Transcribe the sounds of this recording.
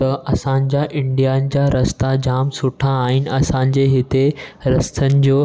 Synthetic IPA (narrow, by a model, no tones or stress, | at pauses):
t̪ɐʔɐsãɲ̆d͡ʑaʔɪ̃ɳɖijanɪ̆d͡ʑaɾɐst̪ad͡ʑaːmsʊʈʰaːɦɪnɪ̆ɐsãɲ̆d͡ʑeɦɪt̪eɾɐst̪ʰənɪ̆d͡ʑoː